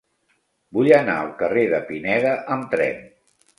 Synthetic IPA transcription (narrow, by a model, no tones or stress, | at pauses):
buʎəna̰əlˠkəreðəpinɛðəʔəmt̪ɾɛ̰n